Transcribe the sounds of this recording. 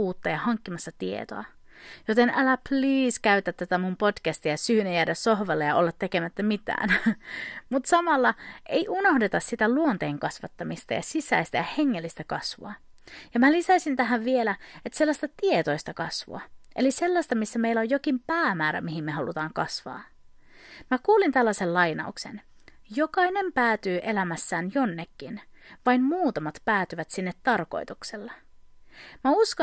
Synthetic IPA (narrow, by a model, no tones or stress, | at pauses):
uːt̪ːɑjɑhɑŋkːimɑsːɑt̪iḛt̪o̰ɑ | jot̪enʔælæpliːskæyt̪ːˑæt̪ːæt̪æmumpodkæst̪ijɑsyːnejæːdæssohʋɑlːejɑʔolːɑt̪ːe̞kemæt̪ːæmit̪æ̰ːn | mut̪sɑmɑlːɑʔejʔunohdet̪ɑssit̪æluont̪eːŋkɑsʋɑt̪ːɑmist̪ɑ̰jɑ̰sisæ̰ist̪æ̰jɑheŋːelːist̪ækɑsʋo̰ɑjɑmælisæsint̪æɦæʋʋielæet̪ːse̞lːɑsʲt̪ɑt̪ie̞t̪o̞jst̪ɑkɑsʋṵɑ̰ʔe̞̰lise̞lːɑst̪ɑmisːæme̞ilːæojokimpæːmæːɾæ̰miɦimːe̞ɦɑlut̪ɑːŋkɑ̰sʋɑ̰ː | mækuːlint̪ælːɑse̞llɑjnɑ̰ukse̞̰n | jo̞kɑjne̞mpæːt̪yːʔe̞læmæsːæːnjo̞nːekːinʋɑjmmuːt̪ɑmɑt̪pæːt̪yʋæt̪sinːet̪ːɑrko̞̰ijt̪ukselːɑ | mæusko